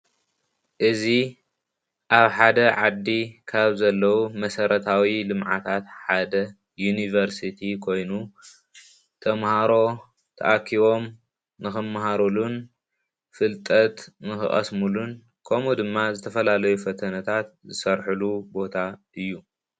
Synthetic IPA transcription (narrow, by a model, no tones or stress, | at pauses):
ʔɨzi | ʔaβħad̪ɐʕad̪ːikʰaβzɐlːɐwumɐsɐɾʔɐt̪ʰawilɨmʕa̰t̪ʰat̪ħad̪ɐ | junivɐɾsit̪ʰikʰo̞jnu | t̪ʰɐmhaɾo̞ | t̪ʰɐ̰ʔakʰiβo̞m | nɨxɨmːaɦaɾulun | fɨlt̪ʼɐt̪nɨxɨ̰ʔʼɐ̰smulun | kʰomud̪ɨmːazɨt̪ʰɐfɐlalɐjufɐt̪ʰɐnɐt̪ʰat̪̚zɨsɐɾħulubo̞t̪ʰaʔɨjːu